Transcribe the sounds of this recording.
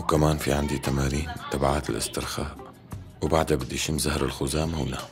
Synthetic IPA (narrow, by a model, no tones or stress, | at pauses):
wkamaːnfḭʕand̪it̪amaːɾiːnt̪abaʕaːt̪ɪ̰lʔɪ̰st̪ɪɾxaːʔ | wbaʕd̪abɪd̪ːiʃɪmzahɾˤɪlxʊzaːmawla